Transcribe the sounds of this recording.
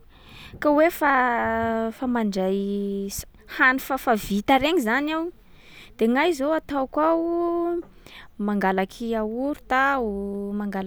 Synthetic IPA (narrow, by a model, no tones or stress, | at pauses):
kawefa | famaɳɖ͡ʐajs | hanu̥fafavit̪aɾeɲizanaw | d̪̥eŋajzowat̪awkwau | maŋɡalakʰiauɾu̥t̪aumaŋɡal